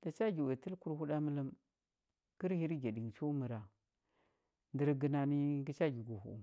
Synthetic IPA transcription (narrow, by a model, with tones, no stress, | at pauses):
d̥a˨t͡ʃa˦ɡi˨we˨tə˦lku˦ɾhu˦ɗa˦mə˦lə˦m | ɡ̥i˦ɾhi˦ɾi˦ɡe˨di˨ŋ˨t͡ʃu˦mə˨ɾa˨ | ndə˨ɾɡə˨na˨ni˦ɡi˦t͡ʃa˦ɡi˨ɡu˨hṵ˨